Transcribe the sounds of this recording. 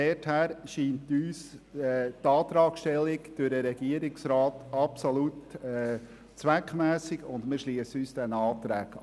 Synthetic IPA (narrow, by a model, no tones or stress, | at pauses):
ɛthæːɾʃiːntyːs | tɑːt̪ɾɑːkʃtɛlːɪkd̥ʊɾəɾɛɡiəɾɪksɾɑːtɑpsolutɛ | t͡sʋækmæːsɪɡʊndmɪɾʃliəsyːsd̥ɛnɑːtɾæɡ